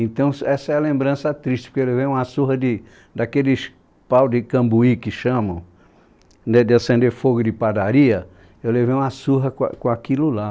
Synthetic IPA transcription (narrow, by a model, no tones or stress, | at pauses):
ẽt̪ɐ̃w̃sɛsɐɛɐlẽmbɾɐ̃sɐt̪ɾiʃt͡ʃɪpʊ̥ɾkewlevejũmasuɦɐd̪ɪ | d̪akelɪʃ | pawd͡ʒ̪ɪkɐ̃mbuikɪʃɐ̃mɐ̃w̃ | nɛd̪ɪasẽnd̪eɾfoɡʊd̪ɪpad̪aɾiɐ | ewlevejũmasuɦɐkkõakilʊla